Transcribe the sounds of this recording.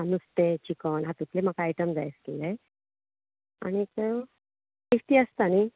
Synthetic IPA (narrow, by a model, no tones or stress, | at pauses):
anust̪et͡ɕikənɦat̪ut̪ʰlemakajʈəmd͡za̰jskelaj | a̰ɽ̃it̪ə | sefʈiːəst̪ani